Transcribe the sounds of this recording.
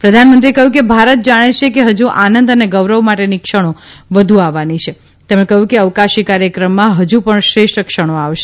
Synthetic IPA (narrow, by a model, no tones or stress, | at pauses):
pɾəd̪ʱanmənt̪ɾiekəɦjũkebʱaɾət̪̚d͡ʒaɽ̃et͡ʃʰekeɦəd͡ʒuʔanənd̪əneɡəʋɾəʋmaʈenikʃəɽ̃oʋəd̪ʱuaʋːanit͡ʃʰe | t̪emɽẽkəɦjũkeəʋkaʃikaɾjəkɾəmːãɦəd͡ʒupəɳʃɾeʃʈəkʃəɽ̃oaʋʃe